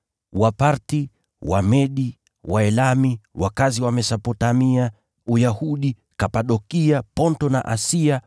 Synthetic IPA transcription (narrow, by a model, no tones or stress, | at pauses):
wapaɾti | wa̰mɛɗi | wʔaɛlamiwakaziwamɛsapɔtamia | ujahuɗi | kapaɗɔkiapɔntɔna̰ʔa̰sia